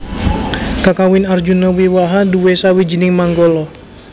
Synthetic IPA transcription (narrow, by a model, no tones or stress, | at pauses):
kakawɪnard͡ʒunɔwiwaɦaduwesawid͡ʒinɪŋmaŋɡɔlɔ